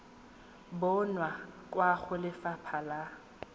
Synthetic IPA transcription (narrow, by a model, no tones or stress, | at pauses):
bɔnwakʼwaɣʊlɪfapʰala